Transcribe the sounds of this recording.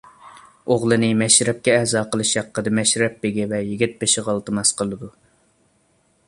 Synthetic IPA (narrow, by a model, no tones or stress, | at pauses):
oʁlˠɨnɨmɛʃɾɛp̚kʲɛːhzɑːqəlˠɨʃjɑqːəd̪ɨmɛʃɾɛp̚beɡʲɛvɛjɪɡʲit̪̚beʃɪʁəlˠt̪ʰɨmɑsqəlˠɨd̪u